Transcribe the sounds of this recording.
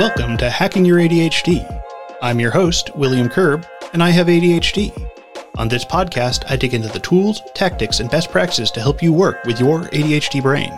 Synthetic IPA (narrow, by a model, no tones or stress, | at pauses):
wɛlˠkɨ̃mtʰɨhækɪ̃ŋjə˞eɪɾieɪt͡ʃd̥iãɪ̃mjə˞hoʊstwɪlˠjɨ̃mkʰɜ˞b | ɨ̃naɪɨveɪɾieɪt͡ʃd̥i | ʔə̰̃nðɪspʰɑd̚kʰæstʰa̰ɪdʰɪkɪ̃ntɨðɨtʰulˠz̥tʰæk̚tɨksɨ̃nbɛst̚pʰɹ̥æk̚ɨ̥ssɨz̥tʰɨɦɛlˠpjɨwɜ˞kwɨðjə˞ḛɪɾieɪt͡ʃdibɹḛ̃ɪ̃n